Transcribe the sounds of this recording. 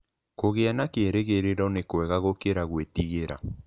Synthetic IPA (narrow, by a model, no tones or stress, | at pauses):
koɣeanakeːɾeɣeɾeɾɔnekwɛɣaɣokeɾaɣwetiɣeɾa̰